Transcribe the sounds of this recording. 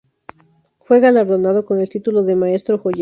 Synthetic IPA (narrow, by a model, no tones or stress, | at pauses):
fwe̞ɣalaɾðo̞nað̞o̞ko̞ne̞lt̪it̪ulo̞ðe̞mae̞st̪ɾoxoʝ